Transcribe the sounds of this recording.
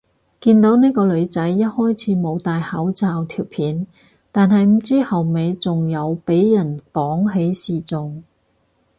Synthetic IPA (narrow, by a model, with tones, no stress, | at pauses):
kiː˧nt̪o˨˥wniː˥kɔː˧lɵ˨˧ɥt͡sɐ˨˥jːɐ˥t̚hɔː˥jt͡sʰiː˨˥mo˨˧wt̪aː˨jhɐ˨˥wt͡saː˨˧wt̪ʰiː˨˩wpʰiː˨˥n | t̪aː˨nɦɐ˨jm̩˨˩t͡siː˥hɐ˨wme˨˧jt͡sʊ˨ŋjɐ˨˧wpe˨˥jːɐ˨˩npɔː˨˥ŋɦe˨˥jsiː˨˩t͡sʊ˨ŋ